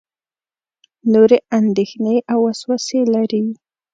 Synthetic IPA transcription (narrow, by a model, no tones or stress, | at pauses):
noɾeʔand̪exneʔawːaswaselaɾi